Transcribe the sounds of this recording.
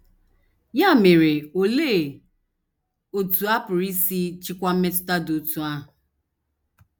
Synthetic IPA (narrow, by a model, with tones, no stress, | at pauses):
ja˦˨me˨ɾe˨o˨le˦˨ | o˨tu˨a˦pʊ˨ɾi˦si˦t͡ʃi˦kʷa˦m̩˦me˦tʊ̥˦ta˦do˨tu˦a˦ɦʊ˨